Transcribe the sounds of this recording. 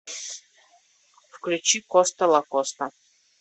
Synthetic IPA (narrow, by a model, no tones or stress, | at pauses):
fklʲʊt͡ɕikɔst̪ɐlˠɐkost̪ɐ